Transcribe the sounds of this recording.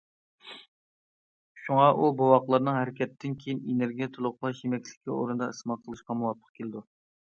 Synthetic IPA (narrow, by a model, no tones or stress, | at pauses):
ʃuŋɑʔubowɑqlˠɑɾnɨŋɦɛɾɪkʲʰɛt̪ːɪnkʲʰejinenɪɾɡʲijɛt̪ʰulˠʊχlˠɑʃemɛkʲlɪ̥kʲʰːio̰ɾund̪ɑɨsmɑqʰəlˠɨʃqɑmuwɑt̪̚ʰːə̥qkʲʰelɪd̪u